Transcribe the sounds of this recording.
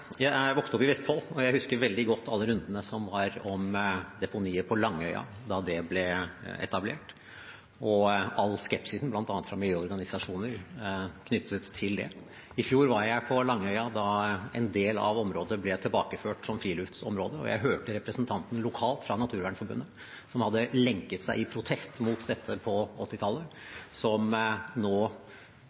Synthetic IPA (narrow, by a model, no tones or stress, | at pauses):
jæɪʋɔkst̪əɔpɪʋɛst̪fɔlːɔjæɪhʉskəɾʋɛld̪ɪɡɔt̪ʰːɑlːəɾʉnd̪ənəsɔmʋɑɾɔmd̪ɛpʊniːəɾpʰɔlɑŋːœʏɑ̰ | d̪ɑd̪ɛblɛɛ̰t̪ɑblḛːʈ | ɔɑlːskɛpsɪsn̩blɑnt̪ɑnːət̪fɾɑmɪljøːɔɾɡɑnɪsɑʂuːnəɾkʰnʏt̪ʰːət̪ʰːɪld̪ɛ̰ | ɪfjuːɾʋɑɾjæɪpʰɔlɑŋːəœʏɑd̪ɑɛnd̪eːlɑ̰ʋɔmɾoːd̪əəblɛt̪ʰɪlbɑːkəføːʈsɔmfɾiːlʉft̪sɔmɾoːd̪əɔ̰jæ̰ɪɦøːʈəɾɛpɾəsnt̪ʰɑnt̪n̩lʊkʰɑːlt̪fɾɑnɑt̪ʰʉːɾʋæːɳfɔɾbʉ̰nːə | sɔmhɑd̪ːəlɛŋkət̪sæɪɪpʰɾʊt̪ʰɛst̪mut̪d̪ɛt̪ʰːəpʰɔɔt̪ːɪt̪ʰɑlːəsɔmnoː